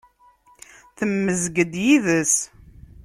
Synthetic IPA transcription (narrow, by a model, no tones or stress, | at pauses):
θəmːəzɡəd̪jiðəs